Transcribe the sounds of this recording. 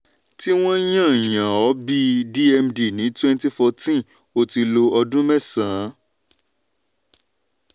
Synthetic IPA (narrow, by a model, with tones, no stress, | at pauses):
ti˦w̃ɔ̃˦j̃ã˦˨j̃ã˨ɔ˨˦bi˧di˦ɛ˧mdi˨nĩ˨˦twɛ̃˦nti˦fɔ˧tĩ˦ | o˧ti˧lo˧ɔ˧dũ˦mɛ˦˨sã˨˦